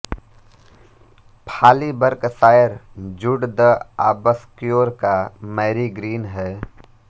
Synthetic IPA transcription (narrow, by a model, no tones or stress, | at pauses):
pʰaːlibəɾksaːjəɾd͡ʒʊɽd̪əa̰ːbəskijoːɾkamɛːɾiɡɾiːnɦɛː